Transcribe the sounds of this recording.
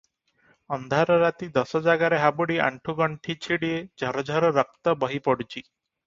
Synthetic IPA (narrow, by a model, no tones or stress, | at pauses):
ɔnd̪ʱaɾɔɾat̪id̪ɔsɔd͡ʒaɡaɾeɦabuɽia̰ɳʈʰuɡɔɳʈʰit͡ʃʰiɽied͡ʒʱɔɾɔd͡ʒʱɔɾɔɾɔk̚t̪ɔbɔɦipɔɽut͡ʃʰi